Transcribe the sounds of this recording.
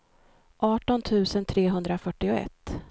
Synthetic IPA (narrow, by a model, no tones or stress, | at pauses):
ʔɑːʈɔnt̪ʰʉ̟ːsənt̪ʰɾeːɦɵnd̪ɾafœʈːɪʊɛ̰t̪ː